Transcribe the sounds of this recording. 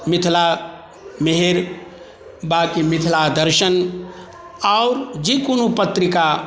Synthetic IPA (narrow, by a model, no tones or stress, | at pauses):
mit̪ʰla | meɦeɾ | bakimit̪ʰlad̪əɾʃən | aʊɾd͡ʒikonopət̪ɾika